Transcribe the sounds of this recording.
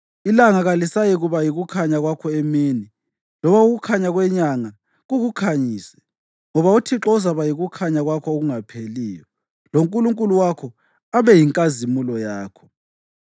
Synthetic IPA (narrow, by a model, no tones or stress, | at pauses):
ilaŋaɣalisajiɣuβajiɣukʰaɲaɣwakʰɔemiːni | lɔβauɣukʰaɲaɣwɛɲaŋa | ɣuɣukʰaɲiːsɛ̥ | ŋɔβautʰiǁɔzaβajiɣukʰaɲaɣwakʰɔoɣuŋapʰeliːjɔ | loŋkʼuluŋkʼuluwakʰɔ | aβɛjiŋkʼazimulɔjaːkʰɔ̥